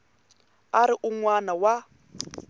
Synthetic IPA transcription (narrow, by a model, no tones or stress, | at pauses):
aɾiʔuŋwanawa